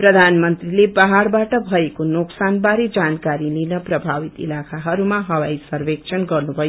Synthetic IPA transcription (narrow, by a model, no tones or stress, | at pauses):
prʌd̪ʱanmʌnt̪rilebaɦaɽbaʈʌbʱʌekonoksanbaɾed͡zankaɾilinʌprʌbʱawit̪ḭlakʰaɦʌɾumaɦʌwajsʌrbekt͡ʃʰʌnɡʌrnubʱʌjo